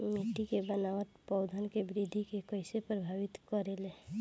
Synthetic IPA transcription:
meʈːikebənaʋət̪pɔʊd̪ʱənkebɾid̪ʱikekəɪsepɾəbʱaːʋɪt̪kəɾele

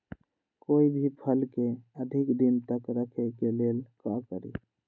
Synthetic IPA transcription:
koibʱipʰəlkeəd̪ʱikd̪int̪əkɾəkʰekelelkakə̰ɾḭ

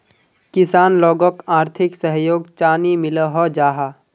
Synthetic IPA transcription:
kɪsaːnlɔːɡɔkaːɾt̪ʰɪksəɦjoːɡt͡ʃaːnimɪləɦɔd͡ʒaːɦa

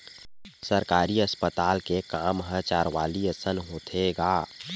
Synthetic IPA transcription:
səɾkaːɾiəspət̪aːlkekaːmɦãt͡ʃaːɾʋaːliəsənɦoːt̪ʰeɡaː

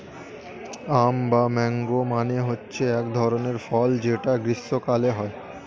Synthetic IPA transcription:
ambamɛŋɡomaneɦotːɕʰeɛkd̪ʱɔɾoneɾfɔld͡ʑeʈaɡɾisːokaleɦɔe

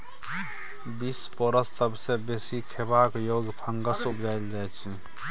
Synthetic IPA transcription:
bispɔɾəsːəbsebesikʰebakjoɡpʰəŋɡəsupd͡ʒaɪld͡ʒajt͡ʃʰ

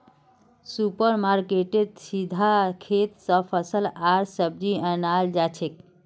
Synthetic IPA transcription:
supəɾmaɾkeʈeɖsid̪ʱakʰet̪səpʰəsəlaɾsəb̚d͡ʒiənald͡ʒat͡ʃʰek̚

